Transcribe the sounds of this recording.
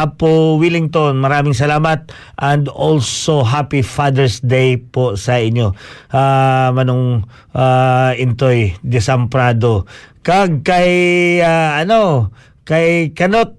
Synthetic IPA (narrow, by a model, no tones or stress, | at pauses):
apowilɪŋt̪onmɐɾaːmɪŋsɐlaːmɐt̪̚ | ʔɐnd̪olso̞ɦapifad̪ɛɹsd̪ejposɐʔɪɲːoʔamɐnoŋ | ʔaɪnt̪ojd̪ɪsɐmpɾaːd̪o̞kɐɡ̚kɐjaʔɐno̞ | kɐjkɐnot̪̚